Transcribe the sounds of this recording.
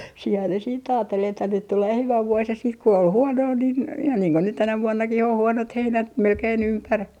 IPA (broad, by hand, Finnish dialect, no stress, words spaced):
siːhæː ne siːt ɑːtːel etːæ nyt tuleː hyʋæ ʋuos jɑ siːt ku ol huonoː nin ihɑn niːŋ ko nyt tænæ ʋuonːɑkih oh huonot heinæt melkein ympær